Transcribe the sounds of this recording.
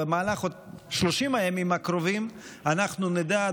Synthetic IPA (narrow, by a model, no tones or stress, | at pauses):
emaːlaχotʃloʃimajamimakɾovimanaχnunid̪a